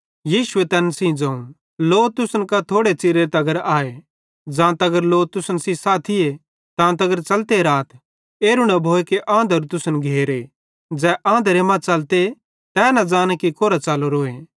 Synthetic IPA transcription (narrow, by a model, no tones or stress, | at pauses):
jiːsʊet̪ɛːnsĩd͡ʒɐ̃ːũ | loːt̪ʊsənkat̪ʰoːɽet͡ʃɪɾeet̪ɐɡəɾaːe | d͡ʒãːt̪ɐɡəɾloːt̪ʊsənsisaːt̪ʰie | t̪ãːt̪ɐɡəɾt͡ʃɐlt̪eɾaːt̪ʰ | eːɾʊɽabʱoːekeʔãːnd̪əɾt̪ʊsənɡʱeːɾe | d͡ʒɛːʔãːnd̪əɾemãt͡ʃɐlt̪e | t̪ɛːnɐd͡ʒaːñekikoːɾat͡ʃaːloɾoːe